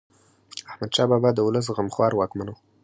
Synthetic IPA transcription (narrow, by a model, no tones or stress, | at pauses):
ahmad̪ʃɑbɑbɑd̪əwʊləs̬ɣamxwɑɾwɑkmano